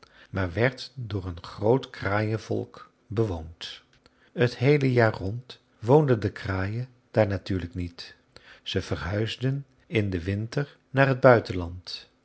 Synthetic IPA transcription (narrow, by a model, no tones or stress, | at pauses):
maːɹʋɛɹtdʊːɹənχrowtkraːjəvɔ̰lˠk | bəʋownt | ətɦejləjaːɹrɔnt | ʋowndəndəkraːjə | d̥aːɹnatyːɹləknit | z̥əv̥ərɦœɥzdən | ɪndəʋɪntəɹ | naːrɦəd̚bœɥtənlɑnt